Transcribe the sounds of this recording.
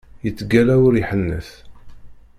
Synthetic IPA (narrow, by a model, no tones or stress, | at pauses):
jət͡sːɡælæwʊɾiħənːə̰θ